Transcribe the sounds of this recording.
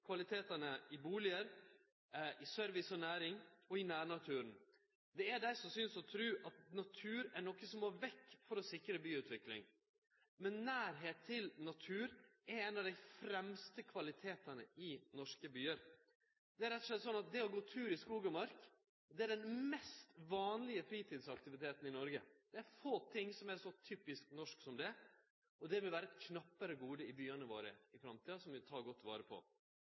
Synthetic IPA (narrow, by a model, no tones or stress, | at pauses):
kʰʋɑlɪt̪ʰeːt̪ɑnəɪbuːlɪəɾ | ʔɪsœɾʋɪsɔnæːɾɪŋɔɪnæːɾnɑt̪ʰʉːɾən | d̪ɛæɖæɪsɔmsʏnsɔt̪ʰɾʉːʔɑt̪nɑt̪ʰʉːɾæɳɔkːəsɔmoːʋɛkːfɔɾɔsɪkɾəbyːʉːt̪ʋɪklɪ̰ŋ | mɛnːæːɾɦeːt̪ʰːɪlnɑt̪ʰʉːɾæɾɛnɑʋd̪æɪfɾɛmst̪əkʰʋɑlɪt̪ʰeːt̪ənəɪnɔʂkəbyːəɾ | d̪̥ɛæɾɛt̪ːɔʂlɛt̪sɔnːɑt̪̚d̪ɛɔɡoːt̪ʰʉːɾɪskuːɡɑmɑɾk | d̪ɛæɖɛnmɛst̪ʋɑːnlɪəfɾiːt̪ʰiːd̪sɑkt̪ɪʋɪt̪ʰeːt̪n̩ɪnɔɾɡə̰d̪̥ɛæɾfoːt̪ʰɪŋsɔmæɾʂɔt̪ʰyːpɪsknɔʂksɔmd̪ɛ | ɔd̪ɛʋɪlʋæːɾəɛt̪kʰnɑpːəɾəɡuːd̪əɪbyːənəʋo̰ːɾə̰ɪfɾɑmt̪ʰiːɑsɔmʋɪt̪ʰɑːɡɔt̪ːʋɑ̰ːɾəpʰɔ̰